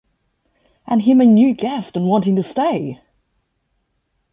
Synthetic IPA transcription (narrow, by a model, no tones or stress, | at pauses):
ʔə̃nɪ̃mənjʉɡɛstə̃nwɒ̃ntɪ̃ŋtəsteɪ